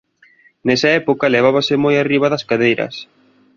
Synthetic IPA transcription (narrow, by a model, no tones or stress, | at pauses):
nɛsɐɛpokɐleβ̞aβɐsɪmojariβɐðɐskaðejɾɐ̰s